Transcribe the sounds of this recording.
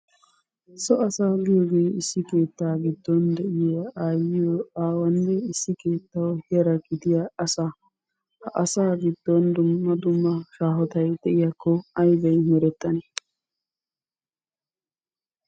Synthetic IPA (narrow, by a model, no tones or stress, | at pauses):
sɔɐsaːɡɪjoːɡe̞ːɪsːɪke̞ːt̪ːaːɡɪd̪ːɔnd̪ɛʔɪjɐaːjɪjɔaːwɐnːɛɪsːɪke̞ːt̪ːɐwhɪjɐɾɐɡɪd̪ɪjɐɐsa | hɐʔɐsaːɡɪd̪̥ːɔnd̪ʊmːɐd̪ʊmːɐʃaːɦɔt̪ɐjd̪̥ɛʔɪjakːɔɐjbɐjmɛɾɛt̪ʼːɐne